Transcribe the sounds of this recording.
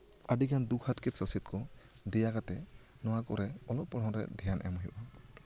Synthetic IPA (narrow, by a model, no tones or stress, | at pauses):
aɖikand̪ukʰhatkit̪̚səsit̪̚kʰɔ | d̪ɛjakat̪ɛ | nɔwakɔɾɛɔlɔppːɔɽɔɾɛ̰d̪ʱɛjanʔɛ̰mɔɦjiṵʔa